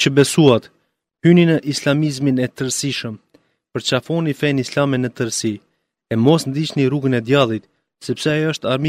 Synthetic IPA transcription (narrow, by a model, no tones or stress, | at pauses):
t͡ɕəbɛsuat̪ | hyninəʔislamizminɛt̪əɾsiʃəm | pəɾt͡ʃafɔnifɛnislamɛnət̪əɾsi | ɛmɔsnd̪it͡ɕniɾuɡənɛd̪jalˠit̪ | sɛpsɛəʃt̪aɾmi